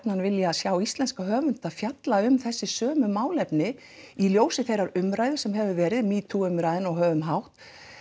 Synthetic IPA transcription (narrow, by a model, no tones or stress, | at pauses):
pnanvɪljasjawist̪lɛnskaɦœːvʏnt̪afjat̪laʏmθɛsːɪsœːmʏmaːwlɛpnɪ | iljoːwsɪθejraɾʏmɾaːjðɪsɛmɦɛvʏvɛːɾɪðmiːt̪ʰuʏmɾajðɪnɔɣɦœːvʏmɦawht̪